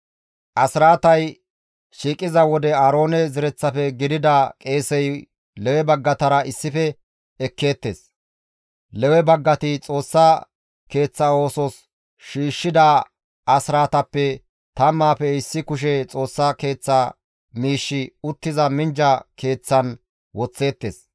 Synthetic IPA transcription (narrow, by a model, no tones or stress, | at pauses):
ʔɐsɪɾaːt̪ɐj | ʃiːkʼɪzɐwɔd̪ɛaːɾo̞ːnɛzɪɾɛt͡sːɐfɛɡɪd̪ɪd̪ɐkʼe̞ːsɛj | lɛwɛbɐɡːɐt̪ɐɾɐɪsːɪfɛ | ɛkːeːt̪ːḛːs | lɛwɛbɐɡːɐt̪ɪt͡sʼo̞ːsːɐ | ke̞ːt͡sːɐo̞ːsɔs | ʃiːʃːɪd̪ɐ | ɐsɪɾaːt̪ɐpːɛ | t̪ɐmːaːfɛɪsːɪkʊʃ̬ɛt͡sʼo̞ːsːɐke̞ːt͡sːɐ | miːʃːɪʊt̪ːɪzɐmɪnd͡ʒɐke̞ːt͡sːɐn | wɔt͡sːe̞ːt̪ːḛs